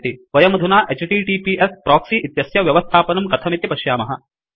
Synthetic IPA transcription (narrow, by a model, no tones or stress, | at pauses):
t̪iʋɐjɐmɐd̪ʱunaːʔet͡ʃʈiːʈiːpiːʔespɾɔːksiːʔit̪jɐsjɐʋjɐʋɐst̪ʰaːpɐnɐmkɐt̪ʰɐmit̪jɐpɐʃjaːmɐɦɐ